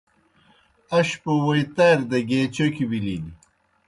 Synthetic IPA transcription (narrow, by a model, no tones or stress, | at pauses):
ɐɕpowɐjt̪aɾd̪ɐɡeːt͡ɕokiwilid̪i